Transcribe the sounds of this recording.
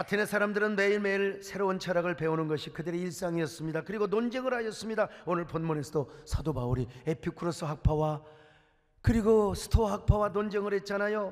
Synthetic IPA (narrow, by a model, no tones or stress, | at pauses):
atʰenesʰaɾamdɯɾɯnme̞iɭme̞iɭsʰe̞ɾount͡ɕʰaɾaɡɯɭpe̞onɯnɡʌɕʰikɯdɯɾeiɭs͈aŋiʌs͈ɯmɲidakɯɾiɡonond͡ʑeŋɯɾɦajʌs͈ɯmɲidaonɯɭponmone̞sʰʌdosʰadobauɾie̞pʰikʰɯɾos͈ʰɯɦak̚pʰawa | kɯɾiɡosʰɯ̥tʰoɦak̚pʰawanond͡ʑeŋɯɾet̚t͡ɕ͈anajo